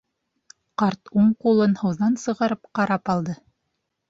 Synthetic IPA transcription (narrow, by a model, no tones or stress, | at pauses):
qɑɾt̪uɴqulˠɤnhɤ̆wðɑnsɤ̆ʁɑɾɤpqɑɾɑpɑlˠd̪ɤ